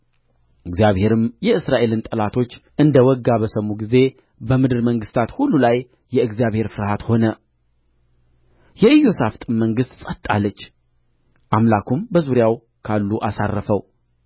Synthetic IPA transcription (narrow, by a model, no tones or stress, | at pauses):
ʔɨɡzjaβhe̞ɾɨmjɛɨsɾaʔe̞lɨnt̪ʼəlat̪ʰo̞t͡ʃːʔɨnd̪əwɔɡːaβəsəmːuɡize̞ | bəmɨd̪ɨɾməŋɡɨst̪ʰat̪hulːulajː | ɛɨɡzijaβhe̞ɾfɨɾhat̪ho̞nə | jɛɨjːo̞saft̪ʼɨmmːəŋɡɨst̪sʼət̪ʼːa̰lːət͡ʃː | ʔamlakʰumbəzuɾjaw | kʰalːuʔasa̰rːəfəw